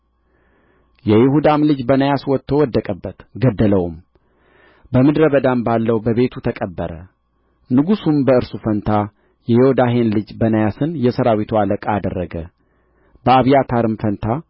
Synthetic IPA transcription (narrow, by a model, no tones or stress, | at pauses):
jɛjɪhud̪amlɨd͡ʒbənəjaswɔt̪ʰːo̞wɔd̪ːəkʼəbːət̪ɡəd̪ːələwum | bəmɨd̪ɾəβəd̪ambalːəwbəβe̞t̪ʰut̪ʰəkʼəbːəɾə̰ | nɨɡusumbəɨɾsufənt̪ʰa | jɛjɪhod̪aɦe̞nlɨd͡ʒbənəjasɨnjɛsəɾawit̪ʰualəkʼaːd̪ərːəɡə | bəaβijat̪ʰaɾɨmfənt̪ʰa